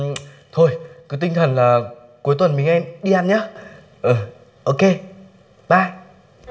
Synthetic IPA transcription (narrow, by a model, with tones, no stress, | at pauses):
t̪ʰo˧jkɨ˨˦t̪ï˧ŋ̟t̪ʰə˨˩nlaː˨˩ | ku˨˦jt̪wə˨˩nmi˨˩ŋ̟ʔɛ˧mɗi˧aː˧nɲaː˨˦ | ʔəː˨˩ | ʔo˧ke˧ | ɓaː˧˩